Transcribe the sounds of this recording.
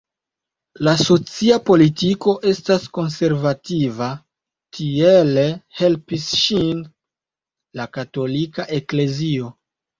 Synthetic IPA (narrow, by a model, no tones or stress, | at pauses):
laso̞t͡siapo̞litiko̞ʔe̞stasko̞nse̞ɾvativa | tʰie̞lehe̞lpisʃin | lakato̞likaʔe̞kle̞zio̞